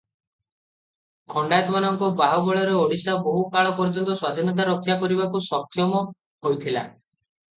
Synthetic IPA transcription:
ɡʰʱɔɳɖajt̪ɔmanɔŋkɔbaɦubɔɭɔɾeoɽisaboɦukaɭɔpɔɾd͡ʒɔnt̪ɔswad̪ʱinɔt̪̬aɾɔkʰːjakɔɾibakusɔkʰːjɔmɔ | ɦojt̪ʰila̰

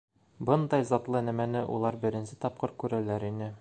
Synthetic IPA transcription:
bɤnd̪ɑjzɒt̪lˠɤnæmænɘʔṵlˠɑɾbɘ̆ɾɘ̆nsɘt̪ɒp̚qɤɾkʉɾælæɾinɘ

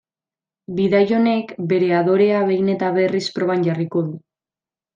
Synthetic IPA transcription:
biðajo̞ne̞kbe̞ɾe̞aðo̞ɾe̞aβe̞jne̞t̪aβe̞rispɾo̞βanɟariko̞ðu

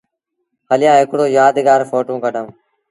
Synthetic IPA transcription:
həlɪjãːɦɪkɽoːjaːd̪ɡaːɾfoːʈõːkəɖʱəː

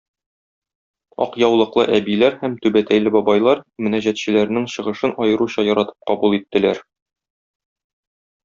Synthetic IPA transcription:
ɒ̰qjɑwlˠɤ̆qlˠɤ̰ʔæbilæɾhæmt̪ʉbæt̪æjlɘbɒbɑjlˠɑɾmɘ̆næʑæt̪ɕɘ̆læɾnɘŋɕɤ̆ʁɤ̆ʃɤnɒjɤ̆ɾuɕɑjɒɾɑt̪ɤ̥p̚qɒbulˠit̪ːɘ̆læɾ

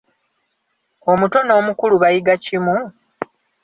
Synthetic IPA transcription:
o̞muto̞no̞ːmukuluβajiɡacimu

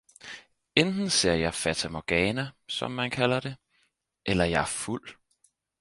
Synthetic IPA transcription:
end̥n̩se̝ɐ̰jɑ̈ɪfæt͡sʰæmɒɡ̥ɛːnæsɒ̽mːænkʰælɐd̥e̝ | ʔelɐjɑ̈æɐful̰

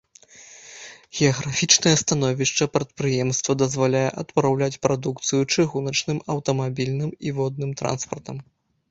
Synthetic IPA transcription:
ɣʲɛɐɣɾafʲit͡ʂnɐjɛst̪anɔvʲiʂt͡ʂɐpɾɐt̪̚pɾɨjɛmst̪vɐd̪ɐzvalʲajɛʔɐt̪pɾawlʲat͡sʲpɾad̪ukt̪sɨjut͡ʂɨɣunɐt͡ʂnɨmɐwt̪ɐmabʲilʲnɨmivɔd̪nɨmt̪ɾa̰nspɐrt̪ɐm

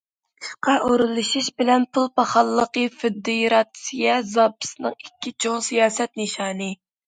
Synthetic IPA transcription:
ʃqɑʔoɾɨlˠɨʃiʃbɪlɛnpʰulˠpɑχɑlˠːəqəfɪd̪ːijɾɑt̪sijɛzɑpɨ̥sɨnɨŋikʲːit͡ʃʰoŋsijɑːsɛt̪̚nɨʃɑːnɨ

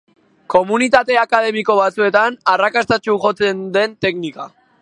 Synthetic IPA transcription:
ko̞munit̪at̪e̞akað̞e̞miko̞βat͡sue̞t̪anarakast̪at͡ʃuʝo̞t͡se̞nd̪e̞nt̪e̞knika̰

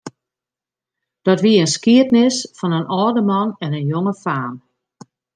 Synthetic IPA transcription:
d̥ɔtʋiəənskiətnɪsfɔnənʔɔːdəmɔnɛnənjoŋəfaːm

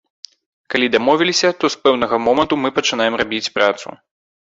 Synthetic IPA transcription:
kalʲid̪amɔvʲilʲisʲɐt̪ɔspɛwnɐɣɐmɔmɐnt̪umɨpɐt͡ʂɨn̪ajɛmrabʲit͡sʲpɾʔat̪sṵ

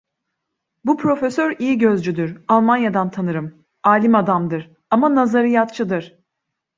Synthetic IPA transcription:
bupʰɾo̞fesøɾijiɟø̞zd͡ʒyd̪yɾalˠmanjad̪ant̪ʰanɯɾɯm | aːlʲimad̪amd̪ɯɾ̥ | amanazaɾijat̪̚t͡ʃʰɯd̪ɯɾ̥

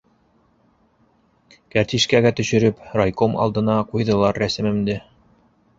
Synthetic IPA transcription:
kæɾt̪iʃkæɡæt̪ɵ̆ɕɵ̆ɾɘpɾojkomɑ̰lˠd̪ɤ̆nɑqujðɤ̆lˠɑɾːæsɘ̆mɘ̆md̪ɘ

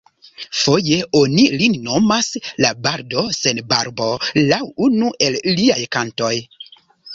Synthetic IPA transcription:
fo̞je̞o̞nilinno̞maslabaɾdo̞se̞nbaɾbo̞lawunuʔe̞lliajkanto̞j

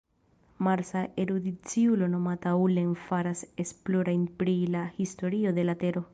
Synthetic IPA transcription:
maɾsaʔeɾud̪it͡siulo̞no̞mataulenfaɾasesplo̞ɾajnpɾilahisto̞ɾio̞d̪e̞late̞ɾo̞

